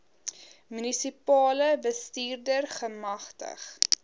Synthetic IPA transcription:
mynisipɑːləbəstiːrdərχəmɐχtə̰χ

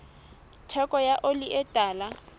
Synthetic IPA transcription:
tʰɛkʼɔjaʔoliʔɛtʼaːla

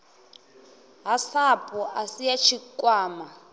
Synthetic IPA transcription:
ɦasapʼɔʔasijat͡ʃʰikʼwaːma

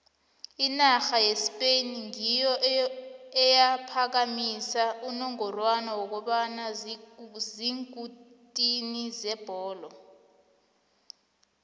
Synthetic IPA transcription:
inaxajespʼeniŋijɔ | ɛjapʰak̬amisaunɔŋɔrwanawɔk̬ɔɓanazziŋutʼinizɛb̥ʱɔːlɔ

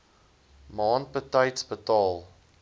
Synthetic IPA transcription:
mɑːn̚pətəjtsbətɑːlˠ

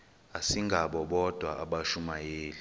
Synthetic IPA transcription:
asiŋɡʱaɓɔɓɔd̥ʱwaʔaɓaʃumajeːli

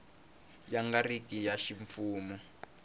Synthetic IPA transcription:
jaŋɡarikʼijaʃiɱfuːmɔ

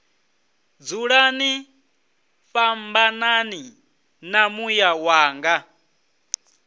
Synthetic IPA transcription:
d͡zuɺani | ɸambanani | namujawaːŋɡa

